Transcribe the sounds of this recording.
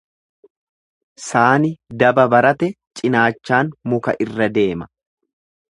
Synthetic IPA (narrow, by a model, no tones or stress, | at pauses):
saːnɪd̪ɐbɐbɐɾɐt̪ɛt͡ʃʼɪnaːt͡ʃːaːnmʊkɐ̰ʔɪrːɐd̪e̞ːmɐ